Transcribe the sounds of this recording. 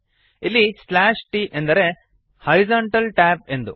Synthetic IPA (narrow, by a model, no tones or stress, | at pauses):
ilːislaːʂʈiːʔend̪ɐɾe | hɐɾizaɳʈɐlʈaːp̚e̞nd̪u